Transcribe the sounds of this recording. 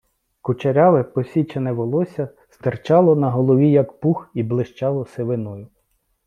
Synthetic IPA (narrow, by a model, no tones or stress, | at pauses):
kʊt͡ʃɐɾʲɑʋɪpɔsʲit͡ʃɐnɛʋɔlˠɔsʲɐ | st̪ert͡ʃɑlˠɔnɐɦɔlˠɔʋʲijɐkpuxiblˠɪʃt͡ʃɑlˠɔseʋɪnɔjʊ